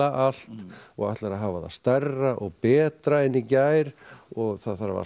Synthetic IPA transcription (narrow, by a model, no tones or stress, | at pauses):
aʔal̥t̪ɔɣa̰ht̪laɾaɦavaða̰ðst̪ɛrːaʔɔɣpɛːt̪ɾaɛnicaːjɾ̥ɔɣθaðθaɾava̰